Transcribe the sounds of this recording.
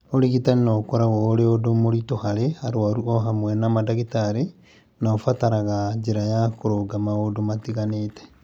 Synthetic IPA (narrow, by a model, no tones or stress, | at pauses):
oɾiɣitaɾinakɔɾawɔɾeodomoɾitohaɾeaɾwaɾuɔɦamwɛnamadaɣitaɾe | naofataɾaɣad͡ʒeɾajakoɾoɡamaodomatiɣanetɛ̥